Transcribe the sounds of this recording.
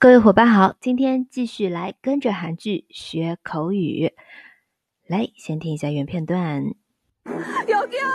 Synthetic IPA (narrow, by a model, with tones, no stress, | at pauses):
kɤ˥˧we˥˩xɔ˨˩pa˥ɪxɑ˨˩˦ʊt͡ɕi˥nt̪ʰjɛ˥nt͡ɕi˥˧ɕy˥˩la˧˥ɪkə˥nʈ͡ʂə˨xa˧˥nt͡ɕy˥˩ɕɥɛ˧˥kʰo˧˥ʊy˨˩ | la˧˥ɪɕjɛ˧˥nt̪ʰi˧ŋi˧˩ɕja˥˩ɥɛ˧˥npʰjɛ˥˧nt̪wa˥˩n | jo˨˧ʊk